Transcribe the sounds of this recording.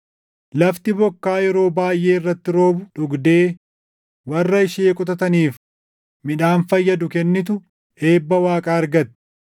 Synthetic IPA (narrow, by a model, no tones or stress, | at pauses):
lɐft̪ɪbɔkːaːjɛɾo̞ːbaːjʔe̞ːɪrːɐt̪ːɪɾo̞ːbʊᶑʊɡd̪eː | wɐrːɐɪʃeːkʼʊt̪ɐt̪ɐniːf | mɪᶑaːnfɐjːɐd̪ʊkɛnːɪt̪̬ʊ | e̞ːbːɐwaːkʼaːɐɾɡɐt̪ɛ̥